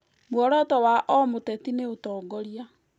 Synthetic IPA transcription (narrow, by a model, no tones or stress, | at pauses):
mwɔɾɔtɔwaʔɔmotɛtineotɔːɡɔɾia